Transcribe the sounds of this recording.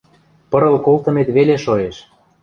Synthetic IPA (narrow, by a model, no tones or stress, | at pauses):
pə̆ɾɤ̆lkolt̪ə̆met̪βeleʃoeʃ